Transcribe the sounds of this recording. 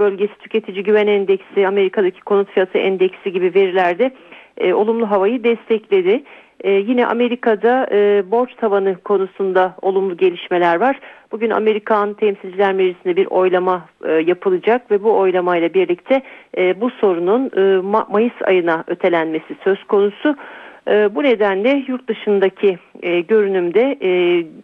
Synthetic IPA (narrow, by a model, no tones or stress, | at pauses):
bølʲɟe̞si̥t̪ʰy̥cʰe̞t̪ʰid͡ʒiɟyvænɛnd̪ɛcsiame̞ɾikʰad̪acʰi̥kʰonut̪fijat̪ʰɯʔɛnd̪ɛcsiɟibive̞ɾilʲæɾd̪ɪo̞lˠumlˠuɦavajɯd̪ɛst̪ʰɛclʲe̞d̪ɪː | jinɛʔa̰me̞ɾikʰad̪aɯbo̞ɾt͡ʃt̪ʰavanɯkʰo̞nusund̪aolˠumlˠuɟe̞lʲiʃme̞lʲæɾvaɾ̥b̥uɟyna̰me̞ɾikʰant̪ʰɛmsilʲd͡ʒilʲæɾmeʒisind̪ɛbiɾʔo̞jlˠamajapʰɯlˠɯd͡ʒakvɛbuo̞jlˠamajlˠabiɾlʲict̪ʰɛːbuso̞ɾununɯːmajɯsa̰jɯnaø̞t̪ʰe̞lʲænme̞sisø̞z̥kʰo̞nusuː | bune̞d̪ænlʲɛjuɾt̪̚d̪ɯʃɯnd̪acʰiɟø̞ɾynymd̪ɛ